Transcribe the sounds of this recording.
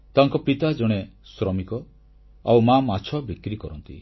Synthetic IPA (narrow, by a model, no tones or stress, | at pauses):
t̪aŋkɔpit̪ad͡ʒɔɽ̃esɾɔmikɔ | awmamat͡ʃʰɔbikɾikɔɾɔnt̪ḭ